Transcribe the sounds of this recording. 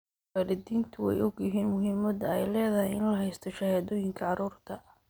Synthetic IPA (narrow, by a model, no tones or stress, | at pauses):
falɪd̪iːnt̪ʰʊwɛ̰jʊɡjɪɦiːnmʊɦimɐd̪ɐɛjlɛːðɐɦɛjɪnlɐɦɛjst̪ʰɔʃɐhɛːðɔːjɪŋkʰɐʕɑɾuːrt̪ʰɐ